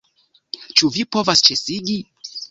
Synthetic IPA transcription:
t͡ʃuvipo̞vast͡ʃesiɡi

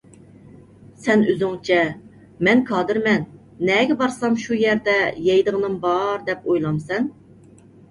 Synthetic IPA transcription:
sɛnøzyŋt͡ʃʰɛ | mɛnkʰɑːd̪ɨɾmɛnː | ɛɡʲɛbɑɾsɑmʃujɛɾd̪ɛjɛjd̪əʁənɨmbɑɾd̪ɛpojlˠɑmsɛn

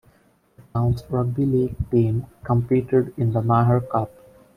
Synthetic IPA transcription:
tãʊ̃nsɹʌɡ̚bilik̚tĩmkə̃mpiːʈəɖɪ̃nd̪əmaɦəɹkʌp̚

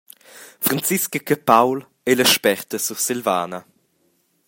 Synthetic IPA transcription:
fɾant͡siskəkəpawl | ɛlɐʃpɛʁt̪əsuʁsilva̰ːnɐ

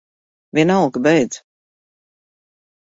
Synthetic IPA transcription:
vʲinalˠɡbɛjd̪z̥

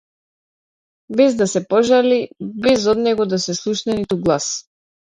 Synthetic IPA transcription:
bɛzd̪asɛpɔʒalibɛzɔd̪nɛɡɔd̪asɛslˠuʃnɛnit̪uɡlˠas

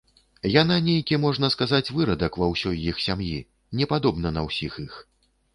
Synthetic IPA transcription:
jananʲejkʲimɔʐnɐskazat͡sʲvɨɾɐd̪ɐkvɐwsʲɔjːixsʲamji | nʲɛpad̪ɔbnɐnɐwsʲixix

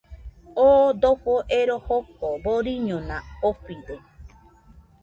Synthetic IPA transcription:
oːd̪oɸoʔeɾohokoboɾiɲõnãoɸid̪o

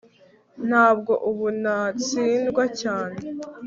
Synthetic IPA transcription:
n̥haːbɡo̞ʔuβunat͡siːndɡwacaːne̞

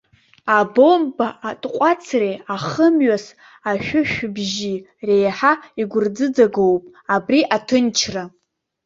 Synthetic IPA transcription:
abombaatʼqʷʼat͡sʰreaχəmɥas | aʃʷᶣʊʃᶣbʒi | re̞jħaiɡʷʊrd͡zɨd͡zaɡowpʼ | abriʔatʰɨnt͡ʃʰra

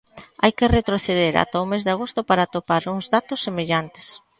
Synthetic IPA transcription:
ajkɪret̪ɾoθeðeɾa̰t̪aomezðɪaɣ̞ost̪ʊpaɾat̪opaɾuŋzðat̪ʊsːemeʎant̪e̥s

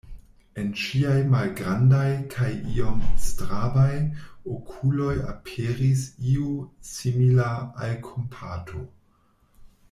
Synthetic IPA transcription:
enʃiajmalɡɾandajkʰajiomstɾabajokʰulo̞ja̰pʰeɾisiusimilaalkʰompʰatʰo̞

